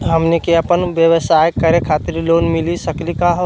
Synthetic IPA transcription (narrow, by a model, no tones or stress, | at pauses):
ɦəmnekeəpənbjəʋəsajkəɾekʰat̪iɾlonmilisəklikaɦo